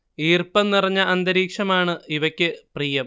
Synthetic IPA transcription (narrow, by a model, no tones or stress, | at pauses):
iːrpɐmnirɐɲːɐʔɐnd̪ɐɾiːkʂɐmaːɳɨiʋɐkʲːɨpriːjɐm